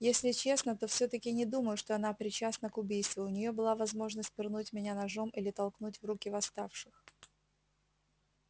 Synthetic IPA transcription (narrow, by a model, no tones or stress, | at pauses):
jesʲlʲɪt͡ɕe̞snət̪o̞fsʲot̪əkʲɪnʲɪd̪uməjʊʂt̪oɐn̪apɾʲɪt͡ɕasnəkʊbʲijst̪vʊʊnʲɪjo̞bɨlˠavɐzmo̞ʐnəsʲt̚ʲpʲɪrnutʲmʲɪnʲanɐʐo̞mʔilʲɪt̪ɐlˠknutʲvrukʲɪvɐst̪afʂɨx